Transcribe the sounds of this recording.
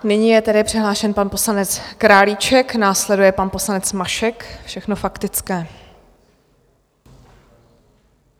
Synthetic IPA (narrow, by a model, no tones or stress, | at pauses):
nɪɲijɛt̪ɛdɪpr̥ɪɦlaːʃɛnpanpo̞slanɛt͡skɾaːlit͡ʃɛknaːslɛdujɛpanpo̞slanɛt͡smaʃɛkfʃɛxnofakt̪ɪt͡skɛː